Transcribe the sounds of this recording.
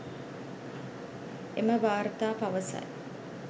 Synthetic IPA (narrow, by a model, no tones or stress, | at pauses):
eməʋaːɾət̪aːpaʋəsa̰j